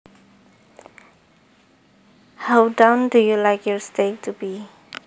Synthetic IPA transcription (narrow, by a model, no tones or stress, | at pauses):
haʊdãndujulaɪkjɔɹsteɪk̚tʰubi